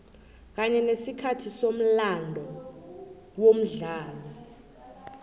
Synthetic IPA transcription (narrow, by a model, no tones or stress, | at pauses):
k̬aɲɛnesikʰatʰisom̩landʱɔ | wom̩ɮaːlɔ